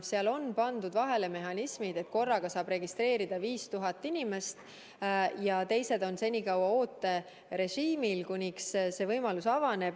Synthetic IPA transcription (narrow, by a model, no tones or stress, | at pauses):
seɑlo̞npɑnd̪ud̪vɑɦe̞le̞me̞ɦɑnismid̪̥e̞t̪̚ːˑko̞rːɑɡ̥ɑsɑːb̥ɾe̞ɡist̪re̞ːɾid̪̥ɑviːst̪uɦɑt̪ˑːinime̞st̪ | jɑt̪e̞jse̞d̪o̞nse̞nʲikɑwɑo̞ːt̪ːˑe̞ | ɾe̞ʒiːmilkunʲiksse̞vɤjmɑlusɑvɑne̞b̥